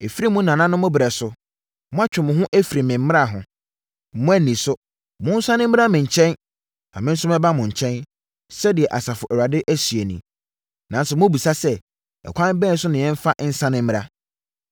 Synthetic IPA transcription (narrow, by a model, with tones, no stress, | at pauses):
e˨fi˦ɾi˦mũ˦nã˨nã˦nʊ̃˦mʊ̃˦bɾɛ˨sʊ˦ | mʊ̃˦a˦t͡ɕᶣɪ˨mʊ̃˨ɦʊ̃˦ʔæ˦fi˨ɾi˨mɪ̃˨m̩˦mɪ̃˦a˦˨ɦʊ̃˨ | mʊ̃˦æ˦nĩ˨sʊ˦ | mʊ̃˦n̩˦sã˦nɪ̃˦m̩ː˦ɾa˦mɪ̃˨ɲ̩˨t͡ɕʰɛ̃˦n | nã̰˨mɪ̃˦n̩˦sʊ˦mɛ̃˦ba˦mʊ̃˨ɲ̩˨t͡ɕʰɛ̃˦n | sɛ˦dɪ˨ɛ˨ʔa˨sa˨fʊ˨ʔɛ˨wa˨dɪ˦ʔæ˦sɥe˨nĩ˨ | nã˨n˦sʊ˨mʊ̃˦bi˨sa˦sɛ˦ | ɛ̰˨kʰʷã˦bɛ̃˦n˦sʊ˦nɪ̃˨ɛ̃˦m̩˦fa˦ʔn̩˦sã˦nɪ̃˦m̩˦m̃˦ɾa˦